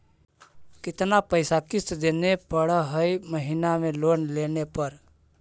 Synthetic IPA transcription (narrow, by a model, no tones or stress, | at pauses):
kɪt̪napəɪsakɪst̪d̪enepəɽəɦəjməɦinamelonlenepəɾ